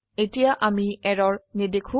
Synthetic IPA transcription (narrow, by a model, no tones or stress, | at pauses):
etijaʔamiɛɹɔɹnedekʰũ